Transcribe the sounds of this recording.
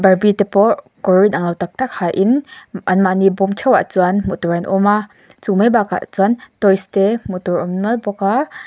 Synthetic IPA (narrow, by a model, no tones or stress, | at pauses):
bɐrbitepɔʔ | kɔɹinaŋlawtak̚tak̚hajʔinʔɐnmaʔnibɔmt͡ʃʰɔwaʔt͡suanmutɔɹanʔɔ̰ma | t͡sumebaka̰ʔt͡suantɔjstemutɔɹɔmmɐlbɔka